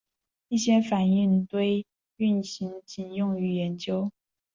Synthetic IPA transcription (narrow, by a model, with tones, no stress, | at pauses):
i˥˩ɕjɛ˥fa˨˩ni˥˩ŋt̪we˥˩ɪ | y˥˩nɕi˧˥ŋt͡ɕi˨˩njʊ˥˩ŋy˧˥jɛ˧˦˥nt͡ɕjo˥ʊ